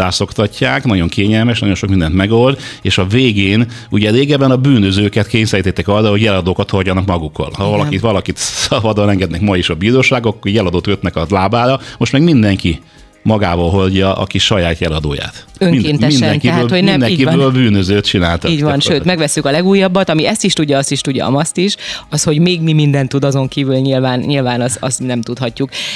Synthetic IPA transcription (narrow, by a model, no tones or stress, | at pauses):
aːso̞kt̪ɒcːaːknɒɟo̞ŋkʰeːɲɛlmɛʃ̬nɒ̰jonʃok̚mind̪ɛnt̪mɛɡo̞ld̪eːʃɒveːɡeːn | uɟɛɾeːɡɛbɛnɒbyːnøzøːkɛt̪keːɲsɛɾit̪ɛt̪ːɛkɒrːɒho̞ɟɛlɒd̪oːkɒt̪horɟɒnɒkmɒɡukːɒ̰lhɒvɒlɒkivɒlɒkit̪sɒbɒd̪ɒnɛŋɡɛd̪nɛkmɒjiʃɒbiɾoːʃaːɡokːorjɛlɒd̪oːt̪køt̪nɛkɒlaːbaːɾɒmo̞ʃt̪mɛɡmind̪ɛŋki | mɒɡaːvɒlɦoɟːɒʔɒ̰kiʃɒjaːt̪jɛlɒd̪o̰ːja̰ːt̪ | øŋmkeːnt̪ɛmind̪ɛŋkiɛɦøːlhonnɛnd̪ɛkibøːlbyːnøzøːt̪t͡ʃinaːlt̪aiːɟvɒnʃøːt̪mɛɡvɛsːykɒlɛɡuːjːɒbːɒt̪ɒmiɛst̪iʃt̪uɟːɒɒst̪iʃt̪uɟːɒ̰ɒ̰mɒst̪iʃɒsho̞ɟmeːɡmimind̪ɛnt̪ːud̪ɒzo̞ŋkiːvylɲilvaːnɲilvaːnɒsɒ̰st̪nɛmt̪ut̪hɒcːuk